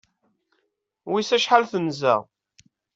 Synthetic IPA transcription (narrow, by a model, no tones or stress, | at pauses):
wisæʃħalθənzæ̰ʁ